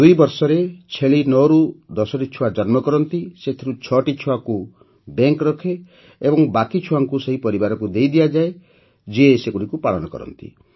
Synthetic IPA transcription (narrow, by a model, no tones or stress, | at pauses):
d̪ujbɔɾsɔɾet͡ʃʰeɭinɔɾud̪ɔsɔʈit͡ʃʰuwad͡ʒɔnmɔkɔɾɔnt̪iset̪ʰiɾut͡ʃʰɔʈit͡ʃʰuaku | beŋkɾɔkʰeː | bɔŋbakit͡ʃʰuwaŋkuseɦipɔɾibaɾɔkud̪ejd̪ijad͡ʒae | d͡ʒiesekuɽikupaɭɔnɔkɔ̰ɾɔ̰nt̪ḭ